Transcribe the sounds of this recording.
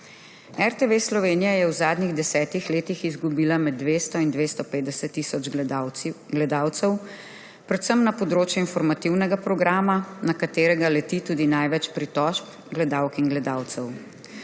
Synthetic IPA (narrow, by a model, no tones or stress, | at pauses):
ɛɾt̪eʋeslɔʋeːnijajɛwzaːd̪niɣd̪ɛsɛːt̪ixleːt̪ixizɡubiːlamɛd̪ːʋeːst̪ɔind̪ʋeːst̪ɔpeːd̪d̪ɛsɛt̪ːisɔd͡ʒ | ɡlɛd̪aːwt̪sɛw | pɾɛt̪səmnapɔd̪ɾoːt͡ʃjuinfɔɾmat̪iwnɛɡapɾɔɡɾaːmanakat̪eːɾɛɡalɛt̪it̪uːd̪inajʋɛt͡ʃpɾit̪ɔʃp | ɡlɛd̪awkinɡlɛd̪aːwt̪sɛw